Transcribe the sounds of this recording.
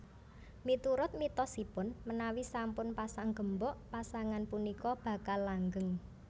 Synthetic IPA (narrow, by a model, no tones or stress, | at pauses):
mit̪uɾʊt̪̚mit̪ɔsipʊnmənawisampʊnpasaŋɡ̥ə̤mbɔʔpasaŋanpunikɔb̥a̤kalːaŋɡəŋ